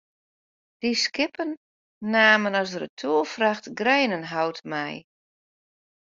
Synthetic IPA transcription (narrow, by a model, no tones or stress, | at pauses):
d̥iskɪpənː | aːmənɔsərətʰuəlfraxtɡrɛjnənɦawtmɛj